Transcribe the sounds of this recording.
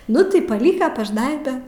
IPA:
ˈnʊ tɐɪ pɐˈlʲiːkɐ pɐʒˈnɐɪbʲɛ

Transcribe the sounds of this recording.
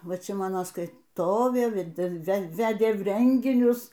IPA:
ˈʋɐ ˈt͡ʃʲɛ ˈmɑːnoː skɐɪˈtoːʋʲeː ˈʋʲæːdʲɪlˠ ʋʲɛˈʋʲæːdʲeː ˈrʲɛŋʲɡʲɪnʲʊs

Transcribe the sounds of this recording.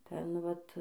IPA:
ˈtʲɛn ˈʋɐt

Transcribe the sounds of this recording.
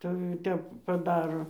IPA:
tɐɪ ˈtʲɛp pɐˈdɑːroː

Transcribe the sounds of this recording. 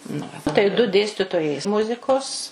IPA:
nɐ ˈʋɐ tɐɪ dʊ ˈdʲeːsʲtʲɪtoːjɛɪ ˈmʊzʲɪkoːs

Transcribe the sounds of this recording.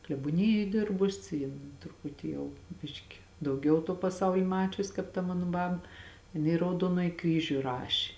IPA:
klʲɛbuɔˈnʲɪjoːj ˈdʲɪrbʊs ˈjɪn trʊˈpʊtʲɪ ˈjɛʊ ˈbʲɪʃʲkʲɪ dɐʊˈɡʲɛʊ tuɔ pɐˈsɐʊlʲɪ ˈmɑːt͡ʃʲʊs kɑːp tɐ ˈmɑːnʊ ˈbɐp jɪˈnɐɪ ɪ rɐʊˈduɔnoːjɪ ˈkrʲiːʒʲʊ ˈrɑːʃʲeː

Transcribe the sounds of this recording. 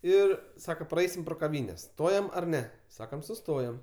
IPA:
ˈɪr ˈsɑːkɐ prɐˈɛɪsʲɪm proː kɐˈʋʲiːnʲɛs ˈstoːjɛm ɐr ˈnʲɛ ˈsɑːkɐm sʊˈstoːjɛm

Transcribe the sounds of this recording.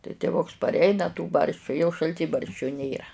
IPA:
tɐɪ tʲɪˈʋʊks pɐrʲˈɛɪnɐ tuː ˈbɐrʲʃʲt͡ʃʲuː jɛʊ ʃɐlʲˈtʲiːbɐrʲʃʲt͡ʃʲʊ ˈnʲeːrɐ

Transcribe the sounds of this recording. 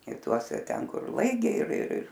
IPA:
ɪ ˈtuɔsʲɛ ˈtʲɛn kʊr ˈlˠɐɪɡʲɛɪ ɪr ɪr ɪr

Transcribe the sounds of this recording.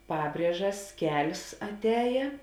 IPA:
ˈpɑːbʲrʲiɛʒɐs ˈkʲɛlʲsʲ ɐtʲˈɛːjeː

